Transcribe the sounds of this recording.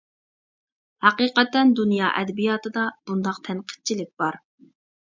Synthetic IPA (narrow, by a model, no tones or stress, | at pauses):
hɑqiqɛt̪ːɛnd̪unjɑːʔɛd̪ɛbijɑːt̪ʰɨd̪ɑb̥und̪ɑqt̪ʰɛnqʰə̥t̪̚t͡ʃʰilɪk̚ʲb̥ɑɾ